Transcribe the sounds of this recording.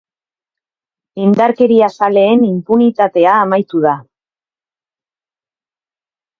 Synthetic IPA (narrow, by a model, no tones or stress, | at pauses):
ind̪aɾke̞ɾiasale̞ːnimpunit̪at̪e̞aːmajt̪uða